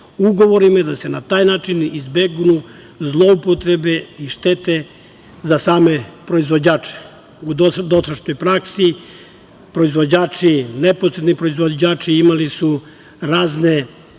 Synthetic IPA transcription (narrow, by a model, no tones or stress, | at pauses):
uɡo̞ʋo̞ɾimad̪ase̞nat̪aːjnaːt͡ʃinizbeɡunu | zlˠoupot̪ɾebe̞iʃt̪et̪e̞ | zasaːme̞pɾo̞izʋo̞d͡ʑaːt͡ʃe̥ | ud̪d̪ot̪ɾaʃnojpɾaksi | pɾo̞izʋo̞d͡ʑaːt͡ʃineposɾed̪nipɾo̞izʋod͡ʑaːt͡ʃiimalisu | ɾaːzne̞